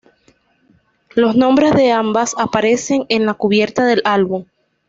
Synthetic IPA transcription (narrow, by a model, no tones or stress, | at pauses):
lo̞snõ̞mbɾe̞zðe̞ambasapaɾe̞se̞ŋe̞nlakuβje̞ɾt̪aðe̞lalβuŋ